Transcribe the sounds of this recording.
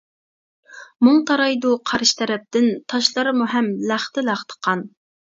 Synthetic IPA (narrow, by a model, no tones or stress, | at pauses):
muŋt̪ʰɑɾɑjd̪uqʰɑɾʃt̪ʰɛɾɛp̚t̪ɪnt̪ʰɑʃlˠɑɾɨmuɦɛmlæχt̪ɪlæχt̪ʰə̥qʰɑn